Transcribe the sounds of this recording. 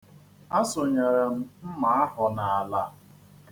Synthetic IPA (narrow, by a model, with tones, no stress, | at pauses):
a˦sʊ˨ɲe˨ɾe˨m̩˦m̩˦ma˨a˦hʊ˨na˨a˨la˦